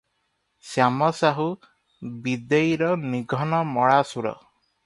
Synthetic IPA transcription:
sjamɔsaɦu | bid̪ejɾɔniɡʱɔnɔmɔɭasuɾɔ̰

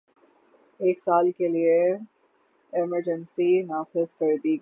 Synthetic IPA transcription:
eːksaːlkelie | ɛməɾd͡ʒənsinaːfɪzkɐɾd̪iɡ

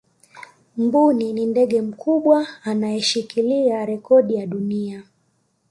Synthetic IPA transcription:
mbuninindɛɠɛm̩kuɓwaːnajɛʃikiliaɾɛkɔɗijaɗunia

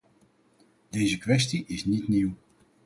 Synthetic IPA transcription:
d̥ejzəkʋɛs̬tiʔɪsnitniw

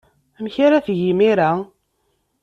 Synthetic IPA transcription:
æmçaɾaθʝimiɾa

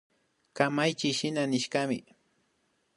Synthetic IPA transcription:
kamajt͡ʃɪʃɪnanɪʃkamɪ

